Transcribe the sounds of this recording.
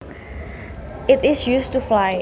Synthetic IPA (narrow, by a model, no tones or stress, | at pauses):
ɪtɪsjustuflaɪ